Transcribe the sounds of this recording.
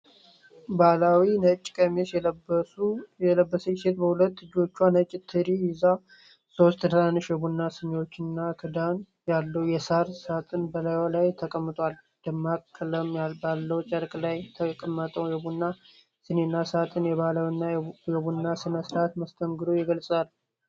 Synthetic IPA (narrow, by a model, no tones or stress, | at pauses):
balawinət͡ʃʼːkʼəmesjɛbəuɛləbːəsəse̞t̪bəhulət̪ːɨd͡ʒo̞t͡ʃːuanət͡ʃʼːɪt̪ʰːɨɾijɪza | so̞st̪d̪əlanːɨʃjɛbunːasɨɲo̞t͡ʃːɪnːakʰɨd̪an | jalːəwujɛsaɾsat̪ʼɨnbəlajwalajt̪ʰəkʼəmːɨt̪ʼwal | d̪̥ɨmːakʰːɨləmjalbalːəwt͡ʃʼəɾkʼlajt̪ʰəkʼəmːət̪ʼəwjɛbunːa | sɨnenːasat̪ʼɨnjɛβalawinːajɛbunːasɨnəsɾat̪məst̪ʰəŋɡɨd̪o̞jɪɡəlsʼal